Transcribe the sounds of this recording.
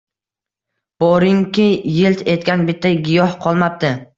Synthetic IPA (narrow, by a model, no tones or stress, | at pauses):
b̥ɒɾɪŋkʲʰɪjɪlt̪ʰe̞t̪kʲanbɪt̪ʰːajɡʲɪjɒhqʰɒlˠmap̚t̪ɪ